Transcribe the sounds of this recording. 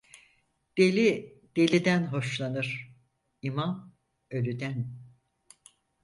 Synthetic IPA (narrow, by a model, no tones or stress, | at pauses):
d̪̥elʲi | d̪̥e̞lʲid̪ænɦo̞ʃlˠanɯɾ̥ | imam | ølʲyd̪æn